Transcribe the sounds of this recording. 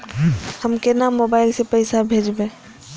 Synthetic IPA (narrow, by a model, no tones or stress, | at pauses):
həmkenamːobaɪlsepəɪsabʱeːd͡ʒbẽ